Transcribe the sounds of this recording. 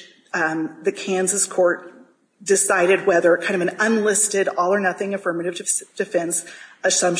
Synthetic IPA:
ðɨkʰæ̃nzɨskʰɔɹt̚ | d̥ɨsaɪɾɨd̚wɛðə˞kʰãɪ̃ndʌvɨ̃nə̃nlɪstɪɾɔlˠə˞nʌθɪ̃ŋɨfɜ˞mɨɾɨv̥dɨv̥sd̥ɨfɛ̃nsɨtsʌ̃m

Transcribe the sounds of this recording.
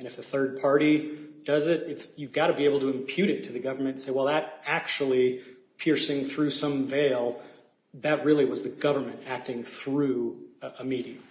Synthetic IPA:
ɨ̃ñɨfðɨθɜ˞d̚pʰɑɹɾid̥ʌzɪɾɨtsjɨɡɑɾɨbieɪbl̩ˠtʰɨɨ̃mpʰj̥ʉɾɨtʰɨðɨɡʌvə˞mɨ̃nt̩seɪwɛlˠðəɾæk̚t͡ʃul̩ˠi | pʰɪɹsɪ̃ŋθɹʉsʌ̃ɱveɪlˠ | ðɨt̚ɹɪlˠiwʌzðɨɡʌvə˞mɨ̃ntæk̚tɪ̃ŋθɹʉəmiɾiɨ

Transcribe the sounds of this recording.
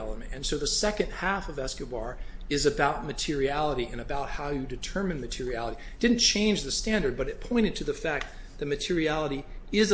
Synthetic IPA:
ɛlˠəmɨ̰̃nɨ̃nsoʊðɨsɛkɨ̃nd̚hæfʌvɛskɨbɑɹɨzɨbaʊt̚mɨtʰɪɹiælˠəɾiɨ̃ñɨbaʊt̚haʊjɨdɨtʰɜ̃˞mɨ̃nmɨtʰɪɹiælˠəɾi | d̥ɪdⁿn̩t͡ʃʰẽɪ̃nd͡ʒðɨstæ̃ndə˞d̚bʌɾɨt̚pʰɔ̃ɪ̃ɾ̃ɨd̚tʰɨðɨfæk̚ | ðɨt̚mɨtʰɪɹiælˠəɾiɪz

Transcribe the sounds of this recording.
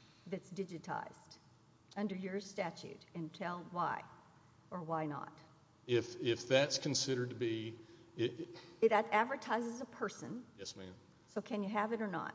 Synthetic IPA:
ðɨtsd̥ɪd͡ʒɨtʰa̰ɪz̥d̥ | ʌ̃ndə˞jə˞stæt͡ʃʉ̰ɾɨ̃ntʰɛlˠwaɪ | ʔə˞waɪnə̰t | ɪfɪfðætskʰn̩sɪɾə˞d̚tʰɨbiɪɨɾæædvə˞tʰaɪzɨzəpʰɜ˞sɨ̰̃njɛsmæ̰̃n | soʊkʰɨ̃njɨɨvɨɾə˞nə̰t̚

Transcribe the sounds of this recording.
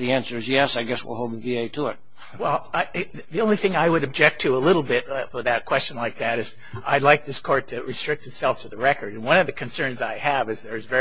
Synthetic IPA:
ðiæ̃nsə˞ɨzjɛsaɪɡɛswɪ̰lˠhoʊlˠd̪̚ðəvieɪtʰəɪt̚ | wɛlˠaɪ | ðiõʊ̃nliθɪ̃ŋaɪwɨɾɨb̚d͡ʒɛk̚tʰɨəlɪɾl̩ˠbɪt̚wɨðɨt̚kʰw̥ɛst͡ʃɨ̃n̩laɪk̚ðæɾɨz̥ | ʔa̰ɪdˡlaɪk̚ðɪskʰɔɹtʰɨɹɨstɹ̥ɪk̚tɨtsɛlˠftʰɨðɨɹɛkʰə˞ɾɨ̃nwʌ̃nʌvðɨkʰɨ̃nsɜ̃˞nzaɪɨvɨzðə˞zvɛ

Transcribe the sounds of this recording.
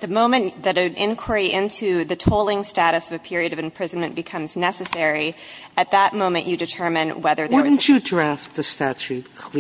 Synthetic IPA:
ðɨmõʊ̃mɨ̃nðɨɾɨʔɪ̃nkʰwə˞iʔɪ̃ntʰʉðɨtʰoʊlˠɪ̃ŋstæɾɨsʌvɨpʰɪɹiɨɾʌvɨ̃mpʰɹ̥ɪzn̩mɨ̃nb̥ɨkʰʌ̃mznɛsɨsɛɹi | ɨt̪̚ðət̚mõʊ̃mɨ̃nt͡ʃʔɨdɨtʰɜ˞mɨ̃nwɛðə˞wʊn̩t͡ʃɨdɹæft̪̚ðɨstæt͡ʃʉt̚kʰi

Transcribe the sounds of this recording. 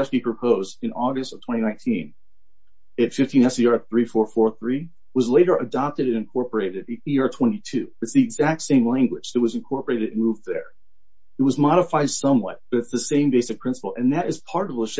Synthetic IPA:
ʃl̩ˠipʰɹ̥ɨpʰoʊzdɨ̃nɔɡɨstʌv̥tʰw̥ɛ̃ɾ̃inãɪ̃ntʰĩn | ɨtfɪftʰĩnɛsiɑɹθɹifɔɹfɔɹθɹi | wʌzleɪɾə˞ʔɨdɑp̚tɨɾɨ̃nɨ̃nkʰɔɹpə˞eɪɾɨɾ̚iɑɹtʰw̥ɛ̃nitʰʉɨtsðiɨɡzæk̚tsẽɪ̃mlæ̃ŋɡwɨ̥d͡ʒ̥ɨt̚wʌzɨ̃nkʰɔɹpə˞eɪɾɨɾɨ̃n̩muvðə̰˞ | ɨt̚wʌzmɑɾəfaɪd̥sʌ̃mwʌ̰t̚b̥ʌɾɨtsðɨsẽɪ̃mbeɪsɨk̚pʰɹ̥ɪ̃nsə̥pl̩ˠʔɨ̃nðɨɾɨz̥pʰɑɹɾʌvðəʃ

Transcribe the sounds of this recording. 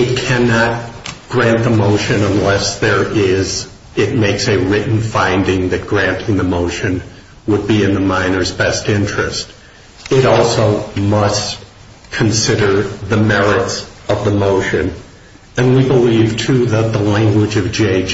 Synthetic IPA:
ɨt̚kʰænət̚ɡ̥ɹæ̃nðəmoʊʃɨ̃nə̃nlɛsðə˞ʔɪz | ɪt̚meɪksɨɹɪʔn̩fãɪ̃ndɪ̃ŋðɨt̚ɡ̥ɹæ̃ntʰɪ̃ŋðɨmoʊʃɨ̃n | wəd̚biɨ̃nðəmãɪ̃nə˞zbɛstɪ̃nt͡ʃɹ̥ɨst | ɪɾɔlˠsoʊmʌst | kʰɨ̃n̩sɪɾə˞ðɨmɛɹɨtsʌvðəmoʊʃɨ̃n | ɨ̃nwibəliv̥tʰʉðət̪̚ðəlæ̃ŋɡwɨd͡ʒʌvd͡ʒeɪ

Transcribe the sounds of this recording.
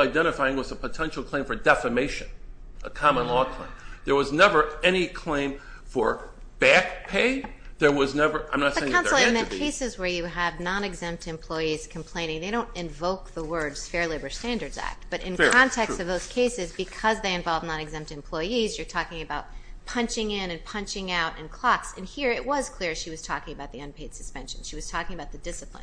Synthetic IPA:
aɪdɛ̃ɾ̃ɨfaɪɪ̃ŋwʌzəpʰətʰɛ̃nʃl̩ˠkʰl̥ẽɪ̃ɱfə˞dɛfəmeɪʃɨ̃n | əkʰɑmə̃nlɔkʰl̥ẽɪ̃mðə˞wʌznɛvə˞ɛñikʰl̥ẽɪ̃ɱ | fə˞ | b̥æk̚pʰeɪ | ðə˞wʌznɛvə˞ʔãɪ̃mnətsðeɪkãʊ̃l̩ˠɨ̃nðɨkʰeɪsɨzwə˞jɨəvnɑ̃nɨɡzɛ̃mp̚tɨ̃mpʰl̥ɔɪiz̥kʰm̩pʰl̥ẽɪ̃ɾ̃ɪ̃ŋðeɪɾõʊ̃ntɨ̃ɱvoʊk̚ðəwɜ˞dz̥fɛɹleɪbə˞stæ̃ndə˞dzæ̰k̚t̚b̥ʌɾʔɨ̰̃nkɑ̃ntʰɛkstʌvðoʊz̥kʰeɪsɨzbɨkʰʌzðeɪɨ̃ɱvɑlˠvnɑ̃nɨɡzɛ̃mp̚tɨ̃mpʰl̥ɔɪizjə˞tʰɔkɪ̃ŋɨbaʊt̚pʰʌ̃nt͡ʃɪ̃ŋɪ̃nɨ̃npʰʌ̃nt͡ʃɪ̃ŋaʊɾɨ̃nkʰl̥ɑksɨ̃nhiɹɪʔ̚wʌz̥kʰl̥ɪɹʃiwʌz̥tʰɔkɪ̃ŋɨbaʊt̪̚ðiʌ̃npʰeɪd̥sɨspɛ̃nʃɨ̃n̩ʃiwʌz̥tʰɔkɪ̃ŋɨbaʊt̪̚ðɨdɪsəpʰl̥ə̰̃

